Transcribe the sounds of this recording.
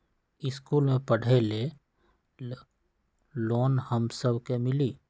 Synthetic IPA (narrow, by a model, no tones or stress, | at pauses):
ɪskuːlmẽpəɽ̤ele | loːnhəmsəbʱkemɪliː